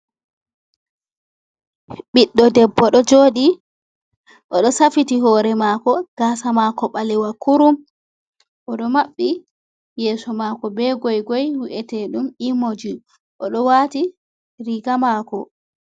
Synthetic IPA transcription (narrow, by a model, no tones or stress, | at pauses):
ɓiɗːɔdɛbːɔɗɔd͡ʒoːɗi | ʔɔɗɔsafitiɦɔːɾɛmakɔɡ̥asamakɔɓalɛwakuɾum | ʔɔɗɔmaɓːi | jɛːsɔmakɔbɛɡɔjɡɔjwiʔɛtɛɗumimod͡ʒi | ʔɔɗɔwaːti | ɾiɡamaːkɔ